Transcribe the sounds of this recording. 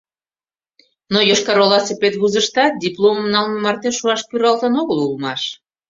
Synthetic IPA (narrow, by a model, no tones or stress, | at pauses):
nojoʃkɑɾolɑsepet̪βuzəʃt̪ɑt̪̚d̪ʲiplomnɑlməmɑrt̪eʃːuɑʃkyɾɑlt̪ənoɣəlulmɑʃ